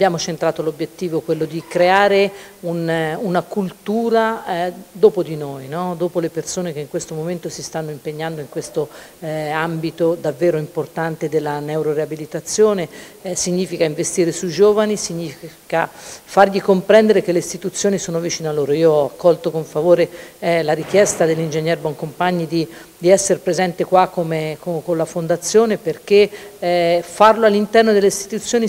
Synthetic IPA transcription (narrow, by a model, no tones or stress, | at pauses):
abjaːmot͡ʃent̪ɾaːt̪olobːjet̪ːiːvokwelːod̪ikɾeaːɾeununakult̪uːɾad̪oːpod̪inojnɔd̪oːpolepersoːnekeiŋkwest̪omoment̪osist̪anːoimpeɲːand̪oiŋkwest̪o | ambit̪od̪avːeːɾoimport̪ant̪ed̪elːanɛwɾoɾeabilit̪at̪sːjoːnesiɲːiːfikaiɱvest̪iːɾesuid͡ʒoːvanisiɲːiːfiika̰farʎikompɾɛnd̪eɾekeleist̪it̪ut̪sːjoːnisoːnovit͡ʃiːnealːoːɾoiːoɔakːɔlt̪okoɱfavoːɾelaɾik̟jɛst̪ad̪elːind͡ʒeɲːɛɾbɔŋkompaɲːid̪i | d̪iɛsːeɾpɾezɛnt̪ekwakːomekokonlafond̪at̪sːjoːneperk̟e | farloalːint̪ɛrnod̪elːeist̪i̥t̪ut̪sːjoːni